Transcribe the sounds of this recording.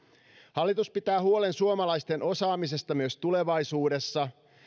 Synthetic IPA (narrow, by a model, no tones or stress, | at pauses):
hɑlːit̪uspit̪æːɦuo̞le̞nsuomɑlɑjst̪e̞nʔo̞sɑːmise̞st̪ɑmyøst̪ule̞ʋɑjsuːde̞sːɑ